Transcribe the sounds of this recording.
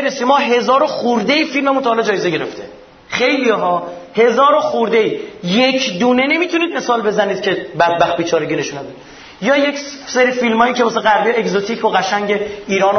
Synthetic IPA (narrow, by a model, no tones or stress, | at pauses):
ɾesimɒːɦe̞zɒːɾoχuɾd̪eifilmemut̪ʰɔhːlɒd͡ʒɒːjeze̞ɟe̞ɾeft̪ʰe | χe̞jlijɒːɦɒːhe̞zɒːɾoxuɾd̪eiːje̞cʰd̪uːne̞ne̞miːt̪ʰuniːd̪̚me̞sɒːlbe̞zæniːd̪̚cʰe̞bæd̪̚bæxt̪̚biːt͡ʃʰɒːɾeɟine̞ʃuːnæbid̪ | jɒːjecseɾifilmɒːjicʰemɒːs̬eɣæɾbijeeɡzot̪ʰiːcʰoɣæʃæŋɟeiːɾɒːno